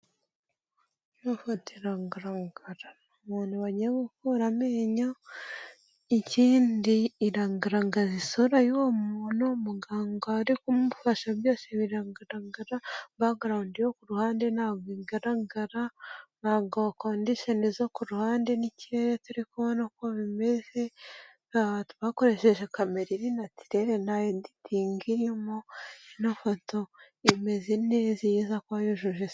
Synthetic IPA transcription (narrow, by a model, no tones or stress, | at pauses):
jofatiɾaːŋɡaɾaŋɡaɾanomuːnuβaɟiɡukoɾameːɲa | iciːndiːɾaːŋɡaɾaŋɡazisoɾajuomuːnomuɡaːŋɡoaɾikumuβufaʃaβjo̞ːseβiɾaːŋɡaɾaɡaɾaβaɡaɾaundijokuɾuhaːndenaːɡiɡaɾaɡaɾaβaːŋɡoβakoːndiʃonizokuɾuhaːndeniciɾe̞ɾetuɾikuβonakoβime̞ze̞ | atuβako̞ɾe̞ʃe̞ʒekameɾiɾinati̥ɾe̞ɾenajonditʰiːŋɡiɾemoinafoto | ime̞zinezijizakwajoʒuʒe